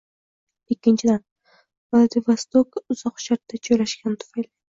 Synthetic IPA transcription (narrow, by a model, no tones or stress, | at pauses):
ɪkʲːɪnt͡ʃʰɪd̪an | valˠad̪ivast̪okʊz̥ɒqʃaɾt̪ːad͡ʒʰojlaʃkʲant̪ʰʊ̥fajli